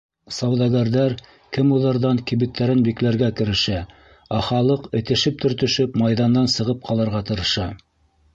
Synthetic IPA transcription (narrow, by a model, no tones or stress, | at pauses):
sɑwðɑɡæɾðæɾ | kɘmuðˠɑɾðɑŋkiβɘ̆t̪ːæɾɘnbiklæɾɡækɘ̆ɾɘ̆ʃæ | æχɑlˠɤqɘ̆t̪ɘ̆ʃɘp̚t̪ɵ̆ɾt̪ɵ̆ʃɵpmɑjðɑnd̪ɑnsɤ̆ʁɤp̚qʰɑlˠɑɾʁɑt̪ɤ̆ɾɤ̆ʃɑ